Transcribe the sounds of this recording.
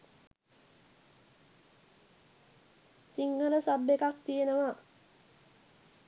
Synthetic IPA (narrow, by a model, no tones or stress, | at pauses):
siŋːəɾəsabːekak̚t̪ijenəʋa